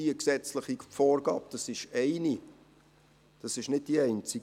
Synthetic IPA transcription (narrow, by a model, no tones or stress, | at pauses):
iəksɛt͡sləχifɔːrɡɑ̰ːp̚d̥ɑsɪʃɛɪni | d̥ɑsɪʃnɪd̚d̥iɛɪnt͡si